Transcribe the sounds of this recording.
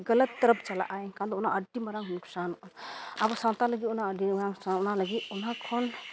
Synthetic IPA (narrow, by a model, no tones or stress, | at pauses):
ɡələt̪ːəɾəp̚ʰt͡ʃala̰ʔajkãd̪ɔunaʔəɖimɐɾaŋnuksanabɔsãnt̪aləɡiunaəɖimɾaŋsanunaləɡiunɦakʰɔn